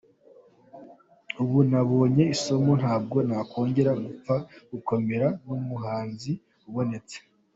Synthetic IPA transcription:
uβunaβoːɲe̞iso̞mo̞n̥haːb̚ɡo̞nakʰo̞ːɲɟe̞ɾaɡup͡faɡ̥uko̞meɾanomuɦaːnzi | uβo̞ne̞t͡se̥

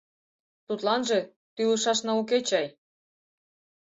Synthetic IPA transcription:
t̪ut̪lɑnʒĕ | t̪yuʃɑʃnɑuk̬et͡ɕɑj

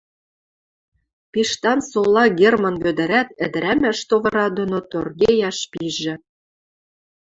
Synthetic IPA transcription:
piʃt̪ɑnsolɑɡermɑ̆nβød̪ɘ̆ɾæt̪ɘ̆d̪ɘ̆ɾæmæʃt̪oβɤ̆ɾɑd̪onot̪orɣejɑʃpiʒɘ̆

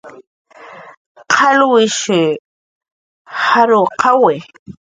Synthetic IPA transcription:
qʰalwɪʃɪ | haɾʊqʰawɪ

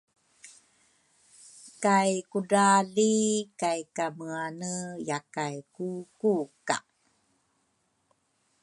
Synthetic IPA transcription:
kajkudalikajkaməanəjakajkukuka̰

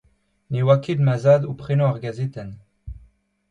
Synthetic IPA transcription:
newaked̪mazaːd̪upχenoaʁɡazet̪ɛn

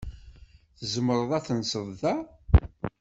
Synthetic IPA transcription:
θəzəməɾˤəðˤæθənsəðˤðæ

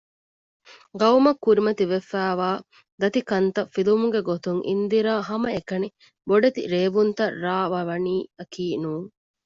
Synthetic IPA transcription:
ɡɐwmɐkːuɾimɐt̪iʋefæːʋaː | d̪ɐt̪ikɐnt̪ɐfilumuɡeɡot̪uŋʔḭnd̪iɾaːɦɐmɐekɐni | boɖet̪ḭɾeːʋunt̪ɐrːaːʋɐʋɐniːɐkiːnuːŋ

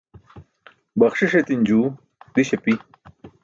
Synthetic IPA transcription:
bɐχʂiʂet̪ind͡ʑuː | d̪iɕɐpi

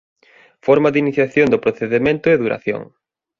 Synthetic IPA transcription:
fɔɾmaðiniθjaθjond̪ʊpɾoθeðemẽnt̪ʊeðuɾa̰θjo̰ŋ

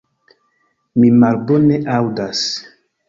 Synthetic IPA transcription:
mimalboneʔawdas

